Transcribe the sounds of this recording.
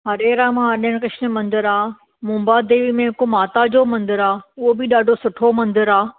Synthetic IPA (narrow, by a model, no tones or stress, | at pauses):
ɦɐɾeːɾamãɐɗəɽ̃kɪʃnə̆mɐ̃nd̪əɾaː | mʊ̃mbad̪eːʋimẽɦɪkomaːt̪ad͡ʑoːmɐ̃nd̪əɾaːʊɦobɪɗaːɖʱosʊʈʰomɐ̃nd̪əɾaː